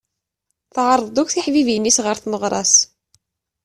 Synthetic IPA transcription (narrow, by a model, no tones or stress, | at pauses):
θʕəɾˤːðd̪ˤukθiħvivjənːisʁəɾθməʁɾˤɑs